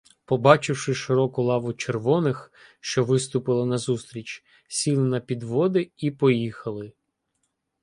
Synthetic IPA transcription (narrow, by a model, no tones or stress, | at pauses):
pɔbɑt͡ʃɪwʃɪʃɪɾɔkʊlˠɑʋʊt͡ʃerʋɔnɪx | ʃt͡ʃɔʋɪst̪ʊpɪlˠɐnɐzust̪ɾʲit͡ʃ | sʲilˠɪnɐpʲid̪ʋɔd̪ɪipɔjixɐlˠɪ